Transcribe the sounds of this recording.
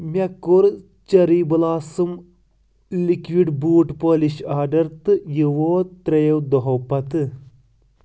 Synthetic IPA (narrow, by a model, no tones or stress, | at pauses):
mʲɐkːoɾ | t͡ʃɐɾiːbɐlaːsɨm | likʋiɖbuːʈpoːliʃaːɖɐɾt̪ɨjiʋoːt̪ɾɐjɐwd̪oɦɐwpɐt̪ɨ